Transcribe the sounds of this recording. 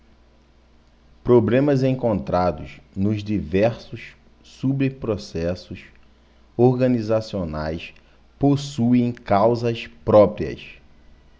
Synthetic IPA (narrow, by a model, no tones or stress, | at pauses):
pɾoblẽmɐzẽŋkõnt̪ɾad̪ʊznʊzd͡ʒivɛɾsʊs | subepɾosɛsʊs | oɾɡɐ̃nizasionajs | posuẽj̃kawzɐspɾɔpɾiɐ̰s